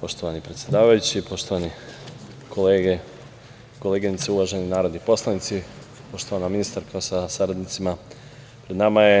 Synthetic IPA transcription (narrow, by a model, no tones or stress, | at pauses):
po̞ʃt̪o̞ʋanipɾet̪sjed̪aːʋajut͡ɕipo̞ʃt̪o̞ʋani | kʰo̞leːɡe | ko̞leːɡinit̪seuʋaʒe̞ninaːɾo̞d̪nipo̞slˠanit̪si | po̞ʃt̪o̞ʋanaminist̪aɾkʰasasaɾad̪nit̪sima | pɾed̪namaje̞